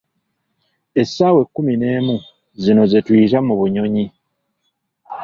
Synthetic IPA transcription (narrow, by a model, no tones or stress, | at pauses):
e̞sːaːwe̞kːumine̞ːmu | zino̞zetwiːtamuβuɲo̞ɲi